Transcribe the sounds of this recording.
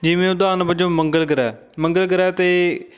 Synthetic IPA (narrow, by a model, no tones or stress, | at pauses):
d͡ʒɪʋẽːʊd̪aːnbəd͡ʒõːməŋɡəlɡəɾɛː | mə̃ŋɡəlɡəɾɛːt̪eː